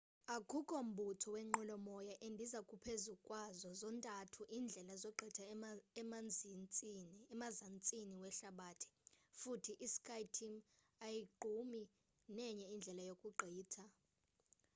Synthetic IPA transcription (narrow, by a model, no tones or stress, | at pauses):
akʰukʼom̩bʱutʰɔwɛŋ͡ǃɔlɔmɔjaʔendʱizakʼupʰezukʼwazɔzɔntʼatʰuʔiːnd͡ɮʱɛlazɔɡ͡ǃʱɛtʰaɛmand͡zʱint͡sʼinɛmazant͡sʼiniwɛɬaɓatʰi̥futʰiʔiskʰʼajtʰim | ajiɡ͡ǃʱumi | nɛɲɛind͡ɮʱɛlajokʼuɡ͡ǃʱiːtʰa